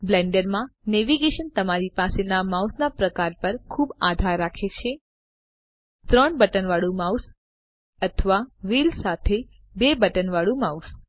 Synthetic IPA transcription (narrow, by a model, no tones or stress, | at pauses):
blɛ̃ɳɖəɾmãneʋiɡeʃənt̪əmaɾipasenamausnapɾəkaɾpəɾkʰubad̪ʱaɾːakʰet͡ʃʰe | t̪ɾəɳbəʈənʋaɭũmaus | ət̪ʰəʋaʋilsat̪ʰe | bebəʈənʋaɭũmaus